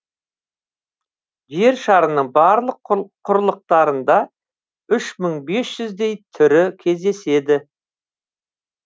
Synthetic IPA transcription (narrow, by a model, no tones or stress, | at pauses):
ʒe̞ɾʃɑɾənəɴbɑɾlˠəqqʰːʊɾlˠəq̚t̪ɑɾənd̪ɑ | ʏʃməɴbe̞sʒ̥ʏzd̪e̞jt̪ʰʏɾɪkʲʰe̞zd̪e̞se̞d̪ɪ